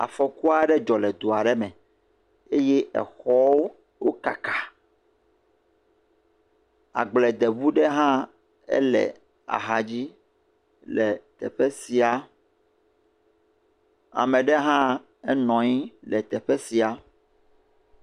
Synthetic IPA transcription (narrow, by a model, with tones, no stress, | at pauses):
a̰˨fɔ˨ku˦a˦ɖɛ˦d͡ʒɔ˨lɛ˨d̪o˨a˨ɖɛ˦mɛ̃˨ | e˦jɛ˦ʔɛ̰˨xɔ˦wo˦ | wo˦ka˨kḁ˨ | a̰˨ɡ͡blɛ˨d̪ɛ˨βu˦ɖɛ˦ɦã˦ | ɛ̰˦lɛ̰˨ | a̰˨ɦa˨d͡ʑi˦ | lɛ˨t̪ɛ̰˨ɸɛ˦si˨a˨ | a̰˨mɛ̃˨ɖɛ˦ɦã˦ | ɛ˦nɔ̃˨ɲi˦lɛ˨t̪ɛ˨ɸɛ˦si˨a˨